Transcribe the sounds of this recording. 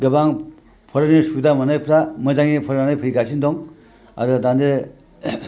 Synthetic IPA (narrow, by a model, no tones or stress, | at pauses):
ɡɯbaŋ | pʰɔɾɯnisudamɐnajpʰɾamɐzaŋipʰɔɾanajpʰɯɾjɡasʰindɔŋ | a̰ɾɯdande